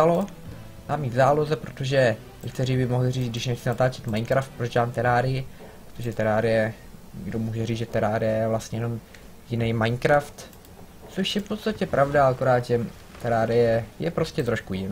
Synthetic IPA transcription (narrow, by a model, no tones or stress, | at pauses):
alo | maːmiːt̪zaːlozɛpɾot̪oʒɛ | jɛkt̪ɛɾibɪmoɦlɪriːd͡zɡdɪʃnɛxt͡sɪnat̪aːt͡ʃɛt̪majnkɾaft̪̚pɾod͡ʒaːmt̪ɛɾaːɾɪɪ | pɾot̪oʒɛt̪ɛɾaːɾɪjɛ | ɛɡdomuːʒɛriːzʒɛt̪ɛɾaːɾjɛvlastɲɛjɛnom | jɪnɛjmajnkɾaft̪ | t͡soʃjɛfpo̞t̪st̪acɛpɾʔavdaakoɾaːd̪ʒɛ | t̪ɛɾaːɾɪjɛjɛpɾo̞scɛt̪ɾo̞ʃkujɪn